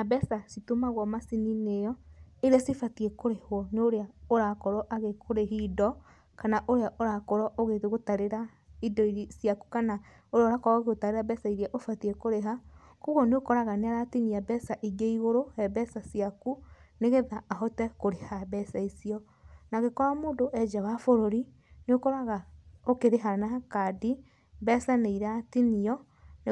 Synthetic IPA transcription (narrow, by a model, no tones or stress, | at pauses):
nabɛsasitomaɣwɔmasininejɔeɾeasifatiɛkoɾehwɔnoɾeaoɾakɔɾɔʔaɣekʰoɾeɦidɔ | kanaʔoɾeaʔoɾakɔɾɔʔoɣeteɣotaɾeɾa | idɔiɾesijaku̥kana | oɾeaɾakɔɾɔɣeɣotaɾeɾabɛsaiɾeaʔofatiɛkoɾeɦa | koɣɔneokɔɾaɣaneaɾatiniabɛsaʔiɡeiɣoɾohɛbɛsasiakuneɣeðaːɦɔtɛkoɾehabɛsaisiɔ | naɣekɔɾamoːndoʔɛd͡ʒawafoɾoɾi | neokɔɾaɣaokeɾeɦanakadi | bɛsaneiɾatiniɔ | n